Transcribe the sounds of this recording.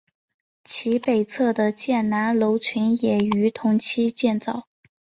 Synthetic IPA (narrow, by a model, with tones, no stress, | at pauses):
t͡ɕʰi˧˥pe˨˩ɪt͡sʰɤ˥˩d̪ə˩t͡ɕjɛ˥˩nna˧˥nlo˧˥ʊt͡ɕʰy˧˥njɛ˨˩y˧˥t̪ʰʊ˧˥ŋt͡ɕʰi˥t͡ɕjɛ˥˧nt͡sɑ˥˩ʊ